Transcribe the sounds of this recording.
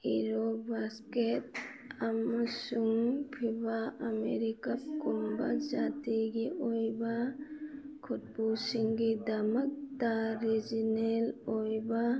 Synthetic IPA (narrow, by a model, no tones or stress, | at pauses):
iɾobasket̪ | amsuŋpʰibaameɾikap̚kumbad͡ʒat̪iɡiʔojba | kʰut̪̚busiŋɡid̪amak̚t̪aɾid͡ʒinelojba